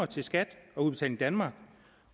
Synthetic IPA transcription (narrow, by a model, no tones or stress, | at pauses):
ɐt͡sʰe̝lsɡ̥æd̥ɒ̽uð̥ˠe̝̥t͡sʰæ̰ɪln̩id̥ænmɑ̈ːɡ̥